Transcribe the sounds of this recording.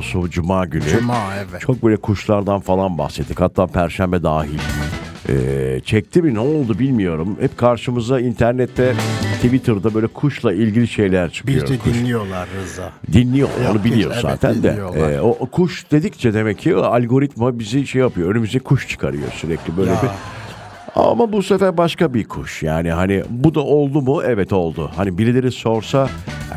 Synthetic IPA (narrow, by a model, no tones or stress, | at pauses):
sud͡ʒumaːɟynyt͡ʃʰo̞k̚bøjlʲɛkʰuʃlˠaɾd̪anfalˠanba̰hset̪t̪ːikhat̪ʰːaːpʰæɾʃæmbɛd̪aːɦilʲɛ̰ːt͡ʃʰɛc̚t̪ʰibinɛolˠd̪ubilʲmijo̞ɾumhɛpkʰaɾʃɯmɯzd̪aint̪ʰæɾnɛt̪ʰːɛt̪ʰivit̪ʰɯɾd̪abø̞jlʲɛkʰuʃlˠailʲɟilʲiʃe̞jlʲæɾt͡ʃʰɯ̥kɯjoɾkʰuʃijolˠaɾzd̪inːʲijo̞̰o̰nubilʲijo̞ɾza̰ːt̪ʰænd̪ɛ̰ːoʔkʰuʃd̪e̞d̪ict͡ʃʰɛd̪e̞mɛcʰːialʲɡo̞ɾit̪mabiziʃejːapɯjo̞ønymyzd̪ɛkʰuʃt͡ʃʰɯ̥kʰa̰ɾɯjo̰syɾɛclʲibø̞jlʲeiɾ | a̰mabusefæɾbaʃkabikʰuʃja̰ːniɦanibud̪aʔo̞lˠd̪umʊʔɛvɛt̪o̞lˠd̪ʊhanibiɾelʲeɾiso̞ɾsa